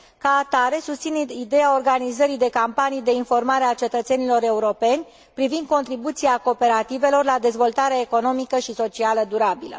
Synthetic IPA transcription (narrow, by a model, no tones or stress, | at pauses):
kaːt̪aɾe̞sust̪sineid̪e̞jao̞rɡanizəɾid̪e̞kampanijd̪e̞info̞rmaɾeat͡ʃe̞t̪ət̪se̞nilo̞ɾe̞uɾo̞pe̞nʲ | pɾivind̪̚ko̞nt̪ɾibut̪siako̞pe̞ɾat̪ive̞lo̞rlad̪e̞zvo̞lt̪aɾeaeko̞no̞mikəʃiso̞t͡ʃialəd̪uɾabilə̰